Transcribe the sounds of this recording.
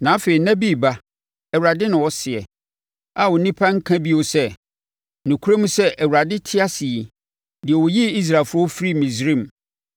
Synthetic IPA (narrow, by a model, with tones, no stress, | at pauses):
nã˨˦fe˨i˨nã˦bi˦˨ba˦ | ɛ˨wɾa˨dɪ˦nɪ̃˨wɔ˦sɪ˨ɛ˨ | a˨wʊ˨˦nĩ˦pʰa˦ŋ̩˦kʰã˦bi˦o˨˦sɛ˦ | nũ˨kʰu˦ɾa˦mũ˦sɛ˦ʔɛ˨wu˨ɾa˨dɪ˦tʰɪ˦a˦sɪ˨i˨ | dɪ˨ɛ˨wɔ˨ji˦i˦s̬ɾa˨lfʊ˦ɾɔ˦fɾi˦mĩ˨sɾĩ˦˨m˨